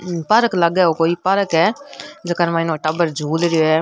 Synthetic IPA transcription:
pəɾəkləɡɛːoːkoːiːpəɾəkɦɛːd͡ʒəkəɾmãːɪnõːʈəbəɾd͡ʒʱuːlɾɪjoːɦɛː

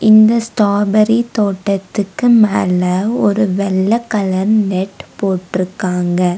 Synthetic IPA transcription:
ɪnd̪ɐsʈaːɾbɐɾit̪oːʈːɐt̪ːɯkːɯmaːlɐɔɾɯʋɛlːɐkːɐlɐɾnɛʈːpoːʈːɪɾɯkːaːŋɡɐ

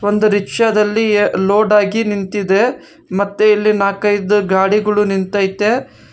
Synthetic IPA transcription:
ond̪uɾikʂɐd̪ɐlːilo̞ːɖaːɡinint̪id̪e | mɐt̪ːuilːinaːkɐjd̪uɡaːɽiɡɐɭunint̪aːjt̪ːe

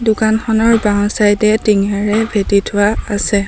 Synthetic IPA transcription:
dukanxɔnɔɹbawsajdɛtiŋaɹɛbʱetitʰʊwaasɛ

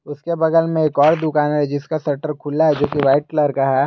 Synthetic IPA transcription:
ʊskebɐɡəlmẽeːkɔːɾd̪ʊkaːnɦɛd͡ʒɪskasɐʈəɾkʰʊlaɦɛd͡ʒoːkiʋaːɪʈ̚kləɾkaɦɛː

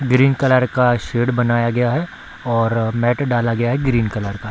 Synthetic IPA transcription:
ɡɾiːnkɐləɾkaʃeːɖbɐnaːjaɡɐjaɦɛ | ɔːɾmɛːʈɖaːlaɡɐjaɦɛɡɾiːnkɐləɾka

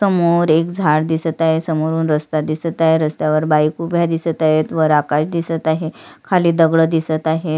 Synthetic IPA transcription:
səmoɾekd͡zʱaɽd̪isət̪aɦesəmoɾuːnɾəst̪ad̪isət̪aɦeɾəst̪jaʋəɾbajkubʱjad̪isət̪aɦet̪ʋəɾakaɕd̪isət̪aɦekʰaliːd̪əɡɭəd̪isət̪aɦe

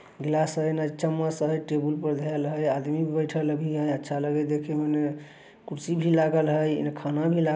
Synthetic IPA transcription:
ɡilasəjnad͡ʒt͡ʃəmːasəɦəjʈebulpəɾd̪ʱəlɦəjad̪mibibəjʈʰəlbʱiɦəjətːʃʰaləɡed̪ekʰemene | kuɾsibʱilaɡəlɦəj̰nekʰanabʱila

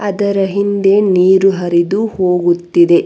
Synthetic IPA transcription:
ɐd̪ɐɾɐɦind̪e̞niːɾuɦɐɾid̪uhoːɡut̪ːid̪e̞

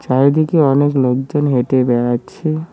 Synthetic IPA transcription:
t͡ʃaɾd̪ikeɔnekloɡd͡ʒənɦeʈebɛɽat͡ʃʰe

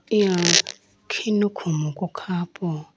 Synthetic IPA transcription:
ia | kʰinukʰumukʼɔkʰaːpʼɔ

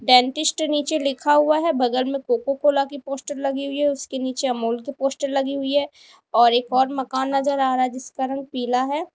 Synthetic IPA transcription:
ɖɛ̃ːɳʈɪsʈniːt͡ʃelɪkʰaɦʊaɦɛbɐɡəlmẽkoːkokoːlakipoːsʈəɾlɐɡiɦʊiɦɛʊskeniːt͡ʃeɐmoːlkipoːsʈəɾlɐɡiɦʊiɦɛː | ɔːɾeːkɔːɾmɐkaːnːɐzəɾaːɾad͡ʒɪskaɾɐ̃ŋɡ̚piːlaɦɛː

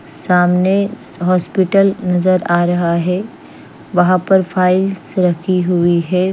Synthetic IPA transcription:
saːmneɦɔːspɪʈəlnɐzəɾaːɾɐɦaɦɛː | ʋɐɦãpɐɾfʰaːɪlsɾɐkʰiɦʊiɦɛː

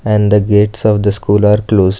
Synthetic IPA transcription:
ɛ̃ɳɖd̪əɡeːʈsɔːʋd̪əskuːlaːɾkloːzɖ

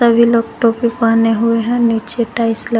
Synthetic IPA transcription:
ɐbʱiloːɡ̚ʈoːpipaːneɦʊeɦɛ̃niːt͡ʃeʈaːɪslə

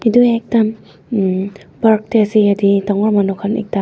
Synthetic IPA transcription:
iduɛk̚tam | bak̚tɛasiaditɔŋɔɹmanukʰanɛ̰k̚ta

